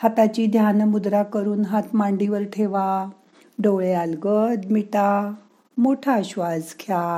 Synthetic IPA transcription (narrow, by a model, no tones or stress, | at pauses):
hat̪at͡ɕiːd̪ʱjanmud̪ɾakəɾuːnɦat̪ʰmaɳɖiʋəɾʈʰeʋa | ɖowɭealɡət̪miʈa | moʈʰaɕʋad͡zkʰja